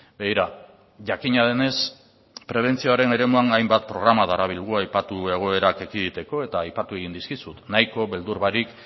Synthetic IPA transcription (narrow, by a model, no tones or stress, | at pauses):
be̞ɣiɾa | ʝakiɲað̞e̞ne̞s | pɾe̞β̞e̞nt͡sioaɾe̞ne̞ɾe̞muaŋajmbat̪̚pɾo̞ɣ̞ɾamaðaɾaβ̞ilɣuajpat̪ue̞ɣ̞o̞e̞ɾake̞kiðit̪e̞ko̞e̞t̪aːjpat̪ue̞ɣind̪iskisut̪najko̞βe̞ld̪uɾβaɾik